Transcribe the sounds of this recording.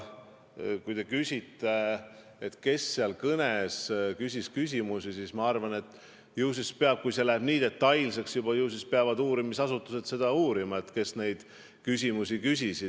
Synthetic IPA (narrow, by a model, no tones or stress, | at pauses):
kujt̪e̞kysʲit̪ːe | et̪ke̞sːeɑlkɤneskysʲiskys̬ʲimusisismɑɑrvɑne̞t̪ːˑ | juːs̬ispeɑb̥̚kujse̞læheb̥niːd̪̥et̪ːɑjlse̞ksjubɑjuːs̬ispeɑvɑd̪uːɾimisɑsut̪ːˑuse̞d̪se̞d̪̥ɑuːɾimɑe̞t̪ke̞sne̞jd̪̥ | kysʲimusikysʲisid̪